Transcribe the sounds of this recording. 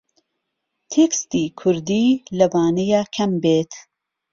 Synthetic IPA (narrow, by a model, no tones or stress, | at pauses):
t̪ʰekst̪iːkʰʊɾd̪iːlɐvaːnejaːkʰɐmbeːt̪